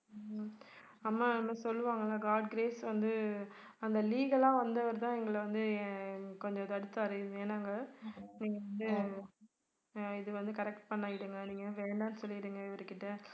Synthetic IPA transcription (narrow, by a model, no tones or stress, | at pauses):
ɐmːaːmasɔlːɯʋaːŋɡɐlaːɡaːɖ̚ɡɾeːsʋɐnd̪ɯ | ɐnd̪ɐliːɣɐlaːʋɐnd̪ɐʋɐɾt̪ãːɛŋɡɐɭɐʋɐnd̪ɯkɔɲd͡ʒɔ̃t̪ɐɽɯt̪ːaɐɾɐðɯeːnaːŋɡɐniːŋɡɐʋɐnd̪ɯ | ɪðɯʋɐnd̪ɯkɐɾɛk̚ʈ̚pɐɳːaːɡɪɽɯŋɡɐniːŋɡɐʋeːɳɖaːnɯsɔlːɪɪɽɯŋɡɐɪʋɐɾɯkɪʈːɐ